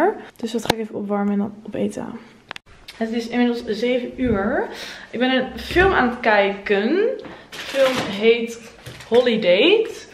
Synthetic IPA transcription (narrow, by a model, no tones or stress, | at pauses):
ɹd̥ɵsʋɑtχaːɪkevəɔ̰pʋɑɹməɛnɔnɔpḛjta̰ː | ətətɪsɪnmɪdl̩ˠszejvənyːɹʔɪɡ̚bɛnənfɪlˠmaːnətkɛjkən | fɪlˠmɦejt | hɔlidejt